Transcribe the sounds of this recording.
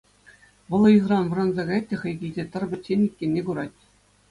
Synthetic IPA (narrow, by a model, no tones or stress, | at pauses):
ʋɤ̆lˠɤ̆izrɑnʋɤ̆ɾɑnzɑɡɑjɑtʲtʲːĕχɘ̆jɡʲĭlʲzʲet̪ɤ̆rbʲɘ̆senʲːikʲːenʲːeɡuɾɑtʲ